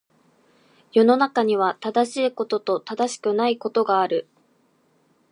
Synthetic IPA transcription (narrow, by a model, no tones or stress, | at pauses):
jo̞no̞nakaɲ̟iβ̞at̪ad̪aɕiːko̞t̪o̞t̪o̞t̪ad̪aɕi̥kɯ̟naiko̞t̪o̞ɡaːɾɯ̟